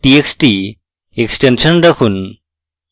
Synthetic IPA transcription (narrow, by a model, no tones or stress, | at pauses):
ʈieksʈi | eksʈensənɾɐkʰun